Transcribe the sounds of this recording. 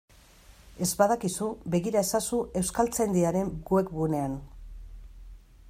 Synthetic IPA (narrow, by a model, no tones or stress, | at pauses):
e̞zbaðakisube̞ɣiɾae̞sasuʔe̞wskalt͡sejnd̪iaɾe̞ŋɡwekɡune̞an